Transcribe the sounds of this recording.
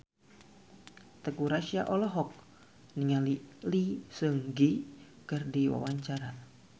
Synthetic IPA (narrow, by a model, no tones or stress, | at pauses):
t̪əkuɾaʃia̰ʔɔlɔɦɔk̚ | niŋalilisəŋɡi | kərdiwa̰waɲt͡ʃaɾa